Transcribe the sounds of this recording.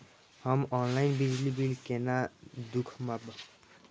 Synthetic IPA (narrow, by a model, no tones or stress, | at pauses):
hɔmɔnlajnbid͡ʒlibilkenad̪ukʰmabɔ